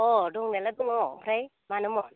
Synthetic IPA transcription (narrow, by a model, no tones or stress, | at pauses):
ɔduŋneladuŋɔŋpʰɾaj | manɯmɔn